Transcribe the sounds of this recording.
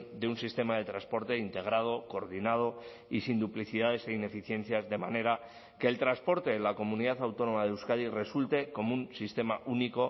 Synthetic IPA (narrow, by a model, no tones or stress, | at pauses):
d̪eunsist̪e̞maðe̞t̪ɾãnspo̞ɾt̪e̞int̪e̞ɣ̞ɾað̞o̞ko̞ɾðinað̞o̞ | isind̪upliθiðað̞e̞se̞ine̞fiθje̞n̟θjazðe̞mane̞ɾa | ke̞ːlt̪ɾanspo̞ɾt̪e̞ːlako̞muniðaθawt̪o̞no̞maðeuwskaðire̞sult̪e̞ko̞munsist̪e̞maʔuniko̞